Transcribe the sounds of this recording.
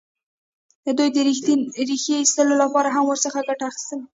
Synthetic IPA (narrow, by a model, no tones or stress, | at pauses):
d̪d̪ujd̪əɾiɾixjeist̪əlolapɑɾaɦamwəɾsəxaɡaʈaːxɪ̥st̪əl